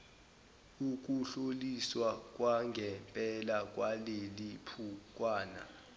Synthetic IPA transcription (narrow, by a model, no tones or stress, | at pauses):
uk̬uɬoliswak̬ʼwaŋɡʱɛmpʼɛlak̬ʼwalelipʰuk̬ʼwaːna̰